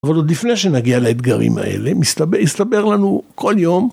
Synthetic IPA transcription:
avalod̪lifne̞jʃenaɡialaet̪ɡaʁḭma̰ḛlemist̪abjist̪abe̞ʁlanuko̞ljo̞m

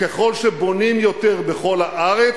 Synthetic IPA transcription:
keχo̞lʃebo̞nimjo̞t̪eʁbe̞χo̞lhaʔaʁe

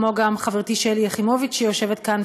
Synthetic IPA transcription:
moɡamχaveʁt̪iʃeljeχimo̞vit͡ʃejoʃe̞vet̪kan

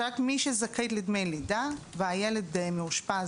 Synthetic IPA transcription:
akmiʃezaket̪lid̪mejlid̪aveajeled̪̚ːejmeuʃpa

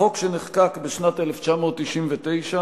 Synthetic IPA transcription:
o̞kʃeneχkakbeʃnat̪eleft͡ʃamo̞ːt̪ːiʃimvet̪e̞jʃa

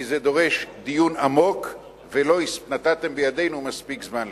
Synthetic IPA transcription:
ized̪o̞ʁe̞ʃd̪ijunamo̞k | velo̞ispnat̪at̪e̞mbejad̪e̞jnumaspikzman

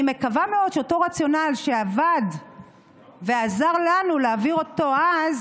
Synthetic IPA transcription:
me̞kavameo̞d̪̚ʃeoto̞ʁat͡sjo̞nalʃeavad̪ | ve̞azaʁlanuleaviʁo̞t̪o̞az

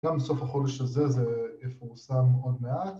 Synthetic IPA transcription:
amso̞faχo̞deʃazezejefuʁsamːeo̞d̪meat̪

